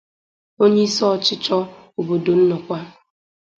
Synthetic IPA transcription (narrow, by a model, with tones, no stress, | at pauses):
o˦ɲe˦i˦sɔ˦ɔ˨t͡ʃɪ˦t͡ʃɔ˦u˨bo˨do˨n̩˦nɔ˨kʷa˦